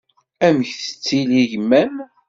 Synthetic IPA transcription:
æmçθə̥t͡sːiliʝəmːæm

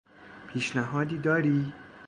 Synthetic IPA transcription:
pʰiːʃnæɦɒːd̪iːd̪ɒːɾiː

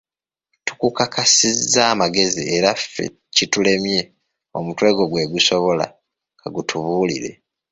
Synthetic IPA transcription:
tu̥kukakʰasizːaːmaɡe̞zieɾafe̞̰ | citule̞mje̞ | o̞mutwe̞ːɡo̞ɡwe̞ɡuso̞βo̞la̰ | ɡaɡutʰuβuːlḭɾe̞̰

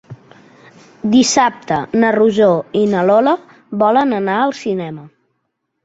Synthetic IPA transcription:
d̪isap̚t̪ənəruʒoinəlolə | βɔlənənaəlˠsinɛmə

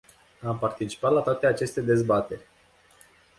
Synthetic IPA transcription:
ampart̪it͡ʃi̥pat̪lat̪oat̪eat͡ʃe̞st̪e̞d̪e̞zbat̪e̞rʲ

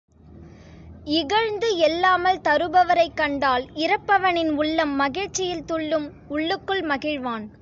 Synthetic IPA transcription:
ɪɣɐɻnd̪ɯɛlːaːmɐlt̪ɐɾɯbɐʋɐɾɐɪkːɐɳɖaːlɪɾɐpːɐʋɐnɪnʊɭːɐmːɐɣɪɻt͡ʃːɪjɪlt̪ʊɭːɯm | ʊɭːɯkːɯɭmɐɣɪɻʋaːn

